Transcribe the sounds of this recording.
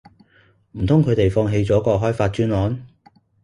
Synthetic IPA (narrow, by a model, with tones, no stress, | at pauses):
m̩˨˩t̪ʰʊ˥ŋkʰɵ˨˧ɥt̪e˨jfɔː˧ŋɦe˧jt͡sɔː˨˥kɔː˧k̚ɦɔː˥jfaː˧t̚t͡ʃyː˥nlɔː˨˥n